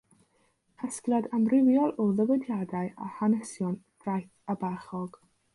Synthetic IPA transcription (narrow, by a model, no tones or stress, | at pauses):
hʰəskladamrɪwjɔlˠɔðəwɛdjadaɨa̰hanɛsjɔnd̥rajθabaχɔɡ̥